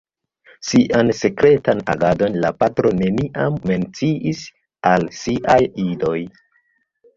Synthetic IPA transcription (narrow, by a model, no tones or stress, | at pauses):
siʔanse̞kɾe̞tana̰ɡado̞nla̰patɾo̞ne̞niʔamːe̞nt͡siʔis | alsiʔajido̞j